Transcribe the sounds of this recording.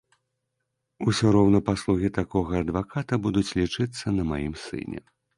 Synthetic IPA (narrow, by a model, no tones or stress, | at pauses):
usʲuɾɔwnɐpaslˠuɣʲit̪akɔɣɐːd̪vakat̪ɐbud̪ut͡sʲlʲit͡ʂɨt̪sːɐnɐmajḭmsɨ̰nʲɛ̰